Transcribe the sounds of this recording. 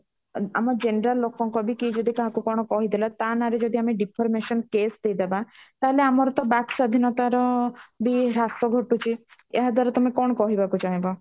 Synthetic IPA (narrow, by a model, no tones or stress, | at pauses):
a̰mɔd͡ʒenɾəlːokɔŋkɔbʱikid͡ʒɔd̪ikaɦãkukɔɽ̃ɔkɔɦid̪elɔt̪anaɾed͡ʒɔd̪iameɖipʰɔɾmeʃɔnkesd̪ejd̪ebat̪aɦeleamɔɾɔt̪ɔbaksad̪ʱinɔt̪aɾɔbiɾasɔɡʱɔʈut͡ʃʰiḛɦad̪aɾɔt̪ɔmekɔɽ̃ɔkɔɦibakut͡ʃʰaɦẽbɔ